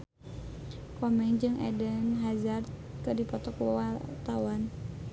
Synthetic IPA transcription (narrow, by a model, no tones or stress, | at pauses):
kɔmɛŋd͡ʒɨŋɛ̰dənɦazar̚ | kɨdipɔt̪ɔkuat̪awan